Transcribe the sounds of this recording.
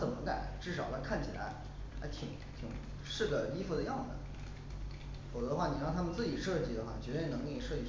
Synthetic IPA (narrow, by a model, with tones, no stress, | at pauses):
t͡sə˨˩nmə˦ka̰˨˩ɪʈ͡ʂɻ̩˥˩ʂɑ˨˩ʊlə˧˥kʰa˥˩nt͡ɕʰi˨˩la̰˧˥ɪ | a̰˧˥ɪt̪ʰi˨˧˩ŋt̪ʰi˨˩˦ŋ | ʂɻ̩˥˩ɡə˩i˥fu˧d̪ə˧jɑ˥˩ŋd͡zə˨˩ə˩ | fo˨˩ʊt͡sɤ˧˥ə˧xwa˥˩ni˨˩ɻɑ˥˩ŋt̪ʰa˥mə˨t͡sɹ̩˥˩t͡ɕi˨˩ʂɤ˥˧t͡ɕi˥˩d̪ə˩xwa̰˥˩t͡ɕɥɛ˧˥t̪we˥˩ɪnɤ˧˥ŋi˥˩˧ʂɤ˥˧t͡ɕi˥˩